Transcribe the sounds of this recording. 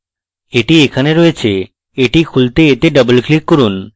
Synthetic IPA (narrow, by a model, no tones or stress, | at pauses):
eʈiekʰaneɾɔet͡ɕʰe | eʈikʰult̪eet̪eɖəbolklikːoɾun